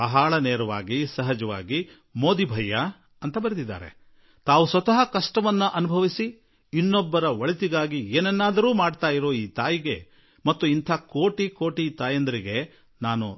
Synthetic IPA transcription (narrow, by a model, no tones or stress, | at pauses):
ɐɦaːɭɐneːɾɐʋaːɡisɐɦɐd͡ʒɐʋa̰ːɡi | mo̞ːd̪ibʱɐjːɐ | ɐnt̪ɐbɐɾed̪id̪ːa̰ːɾe̞̰ | t̪aːʋusʋɐt̪ɐɦɐkɐʂʈɐʋɐnːuʔɐnubʱɐʋisi | inːɔbːɐɾɐʋɐɭit̪iɡaːɡieːnɛnːaːd̪ɐɾuːmaːɖt̪aːjiɾo̞ːiːt̪aːjiɡe̞̰ | mɐt̪ːuint̪ʰaːkoːʈikoːʈit̪aːjɐnd̪ɐɾiɡe̞ | naːnṵ